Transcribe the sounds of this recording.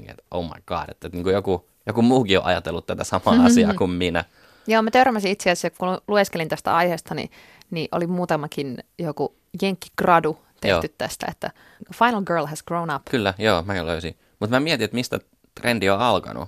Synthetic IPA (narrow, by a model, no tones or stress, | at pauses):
nḭːḛt̪ʔoumɑ̰ikɑ̰ːdḛt̪ːet̪niːŋkujoku | jokumuːkio̰ʔɑ̰jɑt̪elːut̪t̪æt̪æsɑmɑɑsiɑːkumminæ̰ | joːmæt̪ørmæsĩit̪seæsjɑkulueskelint̪æst̪æ̰ɑijheːst̪ɑnḭ | niʔo̰limuːt̪ɑmɑkinjoku | jeŋkːi̥ɡrɑdu | t̪ḛoh̪ːyt̪t̪æst̪æ̰ḛt̪ːæ̰ | fɑjnlɡɜːlɦæsɡ̥rounɑpkylːæjoːmækæløysi | mut̪mæmiɛt̪iet̪mist̪æ̰ | t̪rendioɑlkɑ̰nṵ